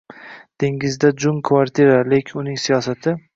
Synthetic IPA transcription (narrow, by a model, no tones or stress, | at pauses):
d̪̥eŋɪzd̪ad͡ʒʊmkʰvaɾt̪ʰiɾale̞kʲʰɪnʊnɪŋsijɒsat̪ʰɪ